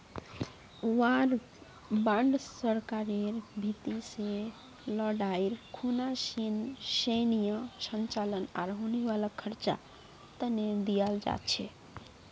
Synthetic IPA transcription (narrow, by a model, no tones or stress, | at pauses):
aɾ | bãɳɖsəɾkaɾeɾbʱit̪ise | ləɽaiɾkʰunasinsenijəsənt͡ʃaləna̰ɾɦoneʋaləkʰːəɾt͡ʃa̰ | t̪əned̪ijald͡ʒa̰t̪t͡ʃʰɛ